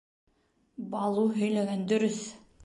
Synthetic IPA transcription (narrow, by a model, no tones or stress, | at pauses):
bɑlˠuɦɵ̆jlæɡænd̪ɵ̆ɾɵθ